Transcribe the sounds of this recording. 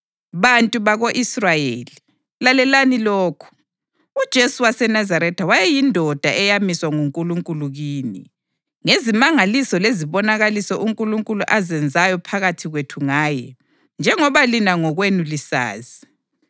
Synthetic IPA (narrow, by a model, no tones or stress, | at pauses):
βantʼuβaɣoʔisrajeːli | lalɛlaniloːkʰu̥ | ud̥ʒ̥ʱesuwasɛnazaɾɛtʰawajɛjindʱɔd̥ʱa̰ʔɛjamiswaŋuŋkʼuluŋkʼuluɣiːni | ŋezimaŋalisɔleziβɔnaɣalisɔʔuŋkʼuluŋkʼuluʔazɛnd͡zʱajɔpʰaɣatʰiɣwetʰuŋaːjɛ | nd͡ʒʱɛŋɔβalinaŋɔɣwenulisa̰ːzi